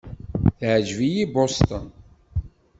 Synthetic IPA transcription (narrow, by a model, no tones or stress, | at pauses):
θʕəd͡ʒvijibost̪ən